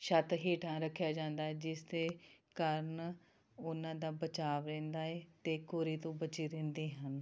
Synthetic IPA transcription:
ʃət̪ɦeːʈʰãːɾəkʰːjaːd͡ʒãːnd̪aːɛːd͡ʒɪsd̪eːkəɾən | ʊnãːd̪aːbət͡ʃaːʋɾɛ̃ːnd̪aːeːt̪eːkoːɾiːt̪õːbət͡ʃiːɾẽːnd̪iːɦən

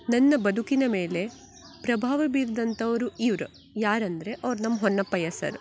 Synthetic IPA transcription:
nɐnːɐbɐd̪ʱukinɐme̞ːle̞ | pɾɐbʱaːʋɐbiːɾd̪ɐnt̪ɐʋɐɾuiʋɾu | jaːɾɐnd̪ɐɾe̞ʔɐʋɐɾunɐmːɐɦonːɐpːɐjɐsɐ̰ɾ

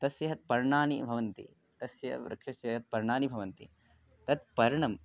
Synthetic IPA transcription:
t̪ɐsjɐɦɐt̪̚pɐɾɳaːnibʱɐʋɐnt̪ḭ | t̪ɐsjɐ̰ʋɾʔɐ̰kʂɐʃjɐɦɐt̪̚pɐɾɳaːnibʱɐʋɐnt̪ḭ | t̪ɐt̪̚pɐɾɐɳɐm

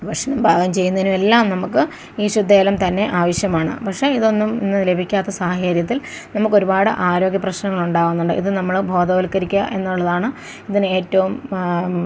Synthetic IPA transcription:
ʋɐʂnɐmbʱaːɡɐmt͡ɕe̞jːunːɐinumelːaːmnɐmukːɨ | iːɕud̪ʱːeːlɐmt̪ɐnːe̞ʔaːʋɐɕjɐmaːɳɨ̰pɐkʂe̞iðo̞nːumḭnːɨle̞bʱikʲːaːt̪ːɐsaːɦɐeːɾjɐt̪̬ːil | nɐmːukːo̞ɾubaːɽɨʔaːɾo̞ːɡjɐprɐɕnɐŋːɐɭuɳɖaːʋunːuɳɖɨ̰ʔḭðɨnɐmːɐɭbʱo̞ːd̪ɐʋɐlkɐɾikʲːɐʔe̞nːuɭːɐðaːɳɨ | iðinɨe̞ːtːɐʋum

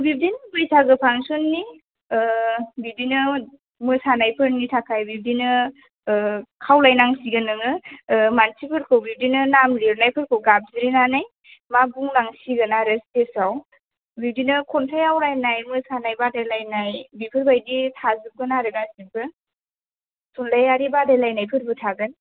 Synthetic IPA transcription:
bib̚dinbɯjsaɡɯpʰaŋsonːi | bidinɯ | mɯsanajpʰɯɾnitʰakʰajbib̚dinɯ | kʰawlajnaŋsiɡɯnɯŋɯmansipʰɯɾkʰɯwbib̚dinɯnamɾiɾnajpʰɯɾkʰɯwɡab̚ziɾinanaj | mabuŋnaŋsiɡɯnaɾɯstesaw | biwdinɯkʰɔntʰajawɾajnajmɯsanajbadajlajnajbipʰɯɾbajditʰazɯp̚ɡɯnaɾɯɡazibʰɯ | sʰunlajaɾibadajlajnajpʰɯɾbɯtʰaɡɯn

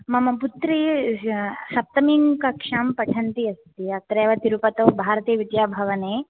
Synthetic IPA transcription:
mɐmɐput̪ɾi | sɐp̚t̪ɐmiŋkɐkʂaːmpɐʈʰɐnt̪iɐst̪iɐt̪ɾeːʋɐt̪iɾupɐt̪ɐwbʱaːɾɐt̪eːʋid͡ʒ̪jaːbʱɐʋɐneː

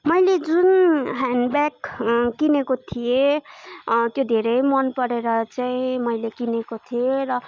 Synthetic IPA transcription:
mʌjled͡zunɦanɖbakːinekot̪ʰije | t̪jod̪ʱeɾʌjmʌnpʌɾeɾʌt͡saĩmʌjlekinekot̪ʰieɾʌ

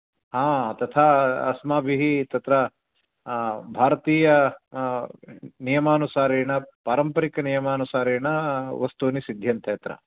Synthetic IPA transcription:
ɦaːt̪ɐt̪ʰaːɐsmaːbʱiɦit̪ɐt̪ɾɐ | bʱaːɾɐt̪iːjɐ | nijɐmaːnusaːɾiːɳɐpaːɾɐmpɐɾikɐnijɐmaːnusaːɾeːɳɐʋɐst̪unisid̪ʱjɐnt̪ʰɐjɐt̪ɾɐ̰

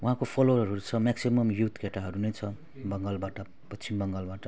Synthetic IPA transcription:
wuɦãkopʰʌloʌɾʌɾut͡sʰʌmaksimʌmjut̪keʈaɦʌɾunejt͡sʰʌ | bʌŋɡalbaʈʌ | pʌt͡sʰimbʌŋɡalbaʈʌ

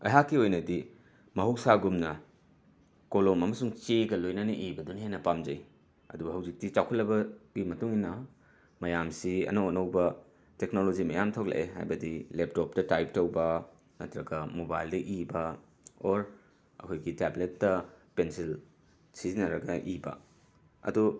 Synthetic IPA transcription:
ɐ̰jɦakːiojnɐdi | mɐɦuwk̚saɡumnɐ | kolomɐmɐsuŋt͡ʃeɡɐlojnɐnɐʔibɐdunhejnɐpamd͡ʒɐj | ɐdubɐɦɐwzik̚tit͡ʃawkʰɐt̚lɐbɐɡimɐtuŋinɐ | mɐjamsiɐ̰nɐonɐwbɐ | teknolod͡ʒimɐjamtʰowk̚lḛʔeɦa̰jbɐdilep̚top̚tɐtajp̚tɐwbɐ | nɐtɾɐɡɐmobajldɐʔibɐ | oɾ | ɐ̰kʰojɡitabletːɐpensil | sizinɐɾɐɡɐʔibɐ̰ | ɐ̰du

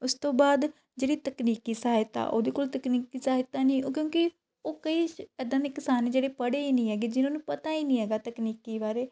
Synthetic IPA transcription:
ʊst̪õːbaːd̪ | d͡ʒeːɽiːt̪əkniːkiːsaaɪt̪a̰ːʔo̰ːd̪eːkʊlt̪əkniːkiːsaːɪt̪aːnĩːokjõːkɪ | oːkəiːɛːd̪ãːneːkɪsaːneːd͡ʒeːɽeːpəɽeːiːnĩːɦɛːɡeːd͡ʒɪnãːnũːpət̪aːiːnĩːɦɛːɡaːt̪əkniːkiːbaːɾeː

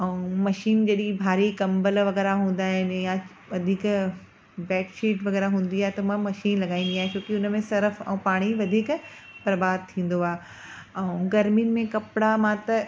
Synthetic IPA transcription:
ɛ̃ũmɐʃiːnd͡ʑɐɗibʱaːɾikɐ̃mbəlʋɐɣɛːɾaɦũːn̆d̪aːɦɪnjã | ʋɐd̪ʱiːk | bɛːkʃiːʈʋɐɣɛːɾaɦũːn̆d̪iaːɦet̪ɐmãmɐʃiːnlɐɡaːĩːn̆d̪iaːɦẽt͡ɕoːkiʊnmẽsɐɾəfɛ̰̃paːɽ̃iʋɐd̪ʱiːkbɐɾbaːd̪̚t̪ʰĩːn̆d̪oaː | ɛ̃ũɡɐɾminmẽkɐpɽamãt̪ɐ

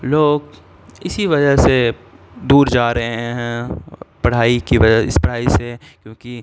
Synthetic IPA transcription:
loːɡ | ɪsiʋɐd͡ʒəɦsed̪uːɾd͡ʒaːɾɐɦeɛ̃ɦɛ̃pɐɽ̤aːikiʋɐd͡ʒəɪ̰spɐɽ̤aːise | kjõːki

